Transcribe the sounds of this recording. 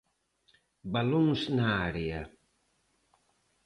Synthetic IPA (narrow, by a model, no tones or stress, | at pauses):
baluŋsnaːɾia